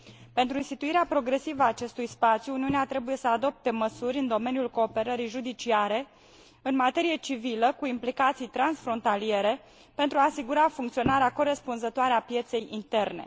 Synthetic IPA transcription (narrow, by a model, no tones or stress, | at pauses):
pe̞nt̪ɾuinst̪it̪uiɾeapɾo̞ɡɾe̞sivəaːt͡ʃe̞st̪ujspat̪sjuːniuneat̪ɾe̞buje̞səad̪o̞p̚t̪e̞məsurʲɨnd̪o̞me̞nijulko̞ːpe̞ɾəɾijʒud̪it͡ʃiaɾe̞ | ɨnmat̪e̞ɾije̞t͡ʃiviləkuimplikat̪sijt̪ɾansfɾo̞nt̪alije̞ɾe̞ | pe̞nt̪ɾuaːsiɡuɾafuŋkt̪sio̞naɾeako̞ɾe̞spunzət̪oaɾeapje̞t̪se̞jint̪e̞rne̞̰